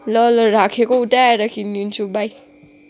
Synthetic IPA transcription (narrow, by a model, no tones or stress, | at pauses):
lɔlɔɾakʰekɔutaaɾakʰininsubaj